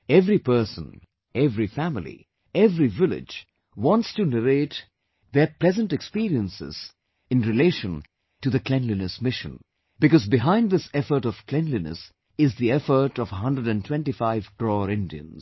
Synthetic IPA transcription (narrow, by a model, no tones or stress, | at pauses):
ɛvɾipɜ˞sə̰̃n | ɛvɹifæmlˠḭ | ɛvɾivɪlɪ̰d͡ʒ | wɑ̃ntstɨnəɾeɪt | ðə˞pl̥ɛzə̃ntɨkspiɾiə̃nsɪ̰z̥ | ɨ̃nɹɨleɪʃə̃n | tɨðɨklɛ̃nlinɨsmɪʃɨ̰̃n | bɨkɔzbɨɦãɪ̃nd̪ðɪsɛfə˞ɾʌv̥kʰl̥ɛ̃nlinə̰s | ɪzðiɛfə˞ɾʌvəɦʌ̃ndɹəɾɨ̃ntʰw̥ɛ̃ntifaɪvkɾɔɾɪ̃ndiɨ̰̃nz